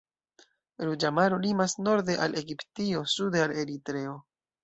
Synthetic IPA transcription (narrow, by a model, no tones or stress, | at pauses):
ɾud͡ʒamaɾolimasno̞ɾde̞ʔalʔeɡiptio̞sudeale̞ɾitɾe̞o̞